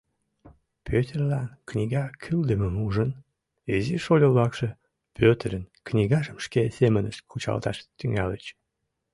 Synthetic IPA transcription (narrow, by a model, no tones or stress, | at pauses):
pʰøt̪ʲerlɑnknʲiɣɑkʰyld̪əmemuʒən | eziʃolʲəllɑkʃe | pʰøt̪əɾənknʲiɣɑʒəmʃkesemənəʃkʰut͡ɕɑ̰lt̪ɑʃt̪yŋɑlət͡ɕ